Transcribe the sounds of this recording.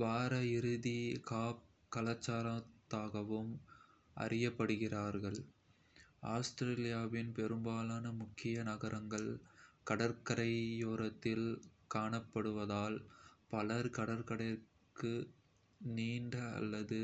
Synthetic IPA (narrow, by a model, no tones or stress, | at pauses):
ʋaːɾɐɪɾɯðikaːp̚ | kɐlɐt͡ʃːaːɾɐt̪ːaːɣɐʋɯm | ʔɐ̰rɪjɐpːɐɽɯɣɪraːɾɣɐɭ | aːsʈ̪ɾeːlɪjaːʋɪnpɛɾɯmbaːlaːnɐmʊkːɪjɐnɐɣɐɾʔɐŋɡɐɭkɐɽɐɾkɐɽɐɪjoːɾɐt̪ːɪlkaːɳɐpːɐɽɯʋɐðaːlpɐlɐɾkɐɽɐɾkɐɽɐ | kɯ | niːɳɖɐɐ̰lːɐðɯ